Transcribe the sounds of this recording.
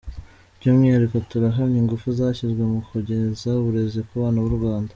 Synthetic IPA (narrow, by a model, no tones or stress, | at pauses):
ɾɟumŋiaɾikotuɾaɦaɾiŋɡufuzaːçizɡwemukuɟe̞zauβuɾe̞zikuβaːnaβuɾɡwaːndḁ